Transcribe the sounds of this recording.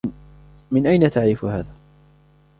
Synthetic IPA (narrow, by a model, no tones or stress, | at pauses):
mɪnʔajnat̪aʕɾɪfʊha̰ːðaː